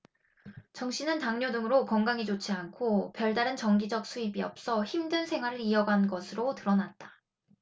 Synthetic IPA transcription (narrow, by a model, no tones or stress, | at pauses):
t͡ɕʌŋɕ͈ʰinɯntaŋɲodɯŋɯɾokʌŋɡaŋid͡ʑot͡ɕʰiankʰopjʌɭdaɾɯnt͡ɕʌŋɡid͡ʑʌk̚s͈ʰuibiʌ̰p̚s͈ʌçimdɯnsʰe̞ŋwaɾɯɾiʌɡanɡʌsʰɯɾotɯɾʌnat̚t͈ḁ